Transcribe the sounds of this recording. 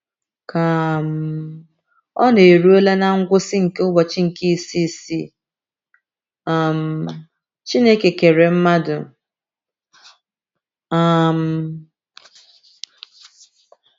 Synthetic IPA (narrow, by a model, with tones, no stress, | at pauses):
ka˨m̩˦ | ɔ˦ne˨ɾu˦e˦le˦na˦ŋ̩˦ɡʷʊ˦sɪ˦ŋ̩˨ke˦ʊ˦bɔ˨t͡ʃɪ˦ŋ̩˨ki˦i˨si˦˨si˦ | a˦˨m̩˦ | t͡ʃi˦ne˦ke˨ke˨ɾe˨m̩˦ma˦dʊ˨ | a˦m̩˦